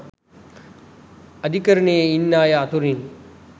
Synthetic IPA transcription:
əd̪ʱikəɾneinːaːjaːt̪ʰoɾin

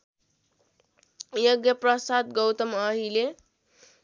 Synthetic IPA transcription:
jʌɡjʌprʌsad̪ɡʌwt̪ʌmʌɦile

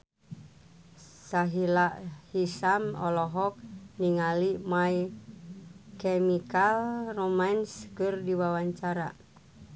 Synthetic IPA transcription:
saɦilaʔhisamɔlɔɦɔk̚niŋalimaj | kemikalromanskɨrdiwawaɲt͡ʃaɾa̰

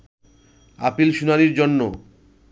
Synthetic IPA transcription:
a̰pilʃunaniɾd͡ʑonːo̰

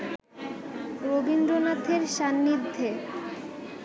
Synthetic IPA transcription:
ɾobindɾonat̪ʰeɾʃanːid̪ʱːe

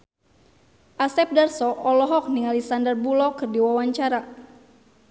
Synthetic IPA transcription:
ʔasɛp̚darsɔʔɔlɔɦɔk̚niŋalisandərbulɔkɨrdiwawaɲt͡ʃaɾa

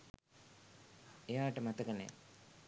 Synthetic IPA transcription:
ejaːʈəmat̪əɡənḛj

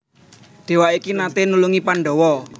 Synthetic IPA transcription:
d̪̥e̤waʔikinat̪enuluŋipaɳɖɔwɔ

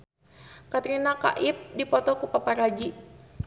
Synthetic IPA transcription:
kat̪ɾinaka̰ʔip̚dipɔt̪ɔkupapaɾad͡ʒi

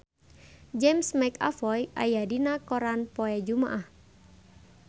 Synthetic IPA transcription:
d͡ʒɛmsmɛka̰fɔjʔa̰jadinakɔɾanpɔɛd͡ʒuma̰ʔah

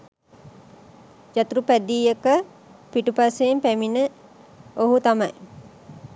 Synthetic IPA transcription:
d͡ʒat̪uɾupæd̪iːekə | piʈupaseːmpæminə | oɦut̪amɐj

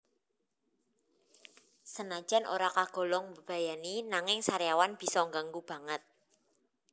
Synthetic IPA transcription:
sənḁd͡ʒ̥a̤nʔo̰ɾakaɡ̥ɔ̤lɔŋbəb̥a̤janinaŋɪŋsaɾjawanb̥i̤sɔŋɡaŋɡub̥a̤ŋət̪̚

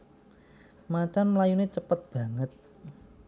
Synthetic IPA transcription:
mat͡ʃanməlajunet͡ʃəpət̪̚b̥ä̤ŋət̪̚

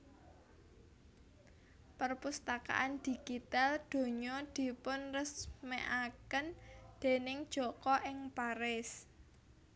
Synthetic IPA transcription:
pərpust̪aka̰ʔand̪̥i̤ɡ̥it̪ald̪̥o̤ɲɔd̪̥i̤pʊnrəsmeʔakənd̪̥e̤nɪŋd̥ʒ̥ɔ̤kɔʔɪŋpaɾɪs

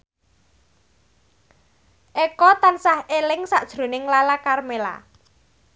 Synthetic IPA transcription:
ʔekɔt̪ansahelɪŋsaʔd̥ʒ̥ɾo̤nɪŋlalakarmela̰

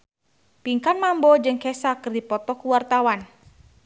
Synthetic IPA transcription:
piŋkanmambɔd͡ʒɨŋkɛsakɨrdipɔt̪ɔkuwart̪awan

